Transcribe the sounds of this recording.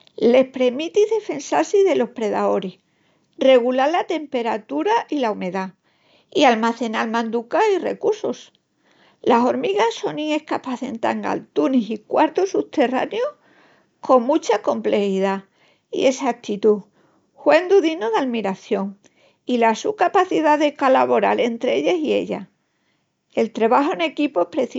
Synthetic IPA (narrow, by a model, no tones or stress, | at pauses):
le̞hpɾe̞mit̪iðe̞fe̞nsaɾsiðe̞lo̞hpɾe̞ða̰o̞ɾi | re̞ɣ̞ulaɾlat̪e̞mpe̞ɾat̪uɾaʔilaume̞ða | ialmaθe̞nalmãnd̪ukaire̞̰kuɾso̞s | laso̞ɾmiɣaso̞nĩŋe̞hkapaθe̞nt̪a̰ŋa̰lt̪unisikwaɾt̪osut̪e̞ra̰njo | kʰo̞ŋmut͡ʃako̞mple̞xið̞a | ḭe̞saak̚t̪it̪u | hwe̞nd̪uðinoðalmiɾaθjo̞ŋ | ilasukapaθiðaðe̞kolaβo̞ɾa̰le̞nt̪ɾeeʎesie̞̰ʎa̰ | e̞lt̪ɾeβaɦoene̞kipoepɾe̞θi